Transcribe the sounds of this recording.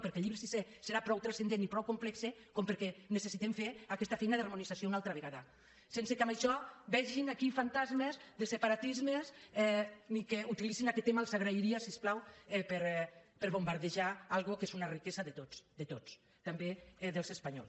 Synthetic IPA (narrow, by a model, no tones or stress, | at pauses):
pəɾkɛlʎiβɾesiseseɾapɾɔwt̪ɾasend̪enipɾɔwkomplɛksekompəɾkɛnesesit̪emfeɾakɛst̪afɛjnaðarmunizasjounalˠt̪ɾaβeɣaða | sensekamaʃɔbɛʒinakifant̪azmezðəsepaɾat̪izmezɛnikeut̪ilizinakɛt̪ːemalzaɣɾaiɾiasisplawɛpeɾpəɾβombaɾðeʒaalˠɣukezunarikezaðet̪osd̪et̪ot͡s | t̪ambeðəlˠzespaɲɔ̰ls